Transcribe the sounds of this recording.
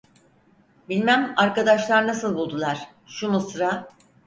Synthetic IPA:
bilʲmæmaɾkad̪aʃlˠaɾnasɯlˠbulˠd̪ulˠaɾ̥ | ʃumusɯɾa

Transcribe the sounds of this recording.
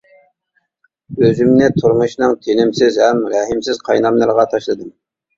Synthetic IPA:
øzɪmnɪt̪ʰuɾmʊʃnɨŋt̪ʰenɪmsɪzhɛmɾɛɦɪmsɪz̥qʰɑjnɑmlɨɾʁɑt̪ʰɑʃlˠɨd̪ɨm

